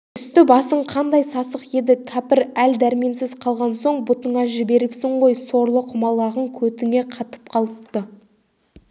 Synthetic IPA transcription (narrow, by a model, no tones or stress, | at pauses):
ʏst̪ɪbɑsəɴqʰɑnd̪ɑjsɑsəqje̞d̪ɪkʲʰæpɪɾæld̪æɾme̞nsɪz̥qʰɑlˠʁɑnso̞ɴbʊt̪əɴɑʒɪbe̞ɾɪpsɪɴʁo̞jso̞ɾlˠəqʰʊmɑlˠɑʁəɴkʲʰɵt̪ɪŋe̞qʰɑt̪ə̥p̚qʰɑlˠəp̚t̪ə